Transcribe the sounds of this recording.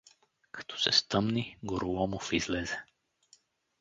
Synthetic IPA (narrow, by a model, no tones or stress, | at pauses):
kḁt̪ɔ̥sɛ̰st̪ɤmniɡoɾʊlˠɔmʊfizlɛzɛ